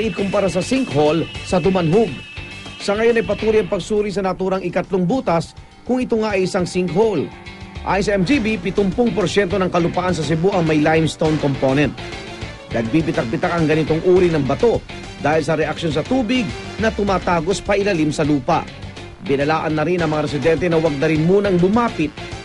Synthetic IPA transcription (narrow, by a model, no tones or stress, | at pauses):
ʔɪkʊmpɐɾas̬ɐsiŋkholsɐd̪ʊmɐnɦʊɡ̚sɐŋɐjo̞nɐjpɐt̪uːɾijɐŋpɐɡsuːɾis̬ɐnɐt̪uːɾɐŋɪkɐt̪loŋbuːt̪ɐs | kʊŋɪt̪oŋaʔɐjɪsaŋsiŋkhol | ʔa̰ːjɪns̬ɐʔɛmd͡ʒibipɪt̪ʊmpʊŋpoɾsjɛnt̪o̞nɐŋkɐlʊpɐʔans̬ɐs̬ɪbuʔɐŋmɐjlajmst̪ownkomponɛnt̪̚ | nɐɡ̚bibɪt̪ɐk̚pɪt̪akɐŋɡɐnɪt̪o̞ŋʔuːɾinɐŋbɐt̪o̞ | d̪aːhɪls̬ɐɾɛʔɐkʃjo̞ns̬ɐt̪uːbɪɡ̚nɐt̪ʊmaːt̪aːɡo̞spɐʔɪlɐlimsɐluːpɐ̰ | bɪnɐlaːʔɐnːɐɾinɐŋmɐŋaɾɛs̬ɪd̪ɛnt̪ɛnɐwɐɡ̚nɐɾɪnmuːnɐŋbʊmaːpɪt̪̚